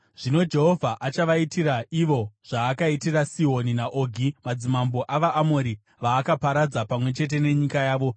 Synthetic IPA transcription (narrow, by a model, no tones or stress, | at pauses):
ʐ̥ino̞d͡ʒe̞ɦo̞vʱaʔat͡ʃaʋaitiraʔiʋo̞ʐ̥aːkaitirasio̞ninaʔo̞ɡʱimad͡zimambo̞ʔaʋaʔamo̞ɾi | ʋaːkapaɾad͡zapamwe̞t͡ʃe̞t̬e̞ne̞ɲikajaːʋo̞